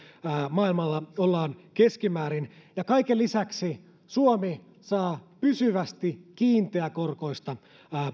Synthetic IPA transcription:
mɑːilmɑlːɑolːɑːnkeskimæːɾinjɑkɑikelisæksi | suomi | sɑːpysyʋæst̪ikiːnt̪eækorko̞ist̪ɑː

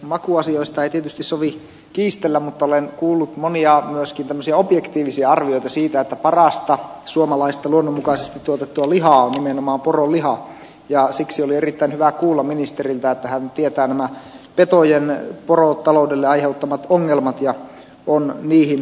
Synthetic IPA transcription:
mɑkuɑsioist̪ɑeit̪iet̪yst̪issoʋi | kiːst̪elːæmmut̪ːɑolenkuːlːut̪moniɑmyøskint̪æmːøsiɑobjekt̪iːʋisiɑɑrʋioit̪ɑsiːt̪æet̪ːæpɑrɑst̪ɑsuomɑlɑist̪ɑluonːomːukɑisest̪it̪t̪ːuot̪et̪ːuɑliɦɑːonnimenomɑːmporolihɑ | jɑsiksiolierit̪ːæinhyʋækuːlːɑminist̪erilt̪æet̪ːæhænt̪iet̪æːnæmæ | pet̪ojenporot̪ɑloudelːeɑiheut̪ːɑmɑt̪oŋːelmɑt̪jɑ | onniːhin

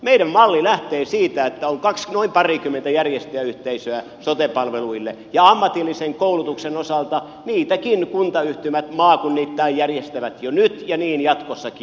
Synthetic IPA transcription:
meiɾæmmɑlːilæht̪eːsiːt̪æet̪ːæoŋkɑksnoimpɑrikymːent̪æjærjest̪eæyht̪eisøæ | sot̪epɑlʋeluilːḛ | jɑɑmːɑt̪ilːiseŋkoulut̪uksenosɑlt̪ɑ | niːt̪ækinkunt̪ɑyht̪ymæt̪mɑːkunːit̪ːæijjærjest̪æʋæt̪jonyt̪jɑniːnjɑt̪kosːɑki

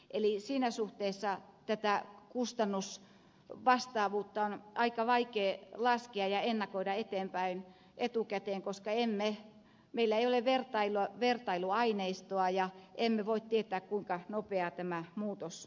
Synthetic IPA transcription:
ʔelisiːnæsuht̪eːsːɑt̪æt̪ækust̪ɑnːus | ʋɑst̪ɑːʋuːt̪ːɑonɑikɑʋɑikeːlɑskeɑjɑenːɑkoidɑet̪eːmpæin | ʔet̪ukæt̪eːŋkoskɑemːe | meilːæeioleʋert̪ɑiloʋert̪ɑiluɑineist̪oɑjɑʔemːeʋoit̪t̪iet̪ˑæːkkuiŋkɑnopeɑt̪æmæmuːt̪os

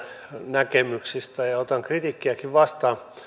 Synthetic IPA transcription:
nækemyksist̪æjɑot̪ɑŋkrit̪ikːiækiʋʋɑst̪ɑː

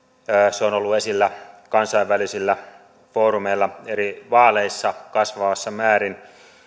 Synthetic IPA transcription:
seonolːuesilːækɑnsɑiʋʋælisilːæ | foːɾumeilːɑeɾiʋɑːleisːɑkɑsʋɑʋɑsːɑmæːɾin

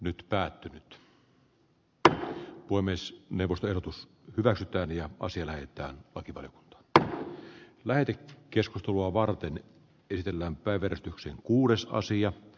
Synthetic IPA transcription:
nyt̪pæːt̪ːynyt̪ | poemesneuwʋːˑost̪oehɾdot̪us | hyʋæksyt̪æːnjɑʔɑ̰siɑlæhet̪ˑæ̰ːnlɑkiʋɑ̰lijoku̥nt̪ɑ̥ːn | læhet̪ekkːeskust̪eluɑʋɑrt̪en | esit̪elːæːmpæˑiʋˑæresi̥t̪yksḛŋkuːdesɑ̰siɑ

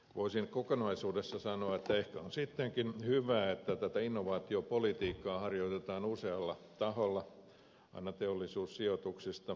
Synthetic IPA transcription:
ʋʔoisinkokonɑisuːdesːɑsɑnoɑet̪ːæehkæonsit̪ːeŋkinhyʋæːet̪ːæt̪æt̪æinːoʋɑːt̪iopolit̪iːkːɑːhɑrjoit̪et̪ɑːnuseɑlːɑ | t̪ɑholːɑ | ɑ̰inɑt̪eolːˑisuːssiot̪uksist̪ɑ

